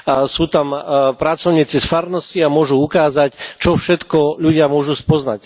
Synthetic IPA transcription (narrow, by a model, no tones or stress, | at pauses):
suːt̪ampɾat͡sɔʊɲiːt͡sisfaɾnɔsciamʊɔʒuukaːzact͡ʃɔfʃɛt̪kɔʎuɟɪamʊɔʒuspɔznac